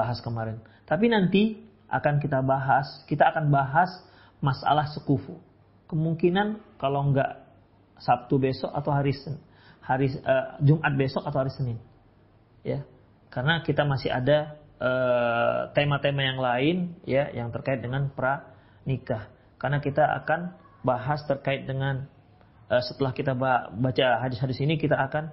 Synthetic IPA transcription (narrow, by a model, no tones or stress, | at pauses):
aɦaskəmaɾɛn | t̪ap̬inant̪i | ʔa̰kank̬it̪abaɦaskit̪aːkanbaɦas | masa̰lahsəkufu | kəmuŋkinankalawŋɡa̰ʔ | sap̚t̪ubesɔka̰t̪awɦaɾisə | haɾiəd͡ʒumʔat̪̚besɔkat̪awhaɾisənɪn | ja | karənakit̪amasɪha̰daʔə | t̪emat̪emajaŋlaɪnjajaŋt̪ərkaɪt̪̚dəŋanpəɾa | nikah | karənakit̪aa̰kan | baɦast̪ərkaɪt̪̚dəŋan | ʔəsət̪əlahkit̪ababat͡ʃaɦadɪshadɪsinikit̪aːkan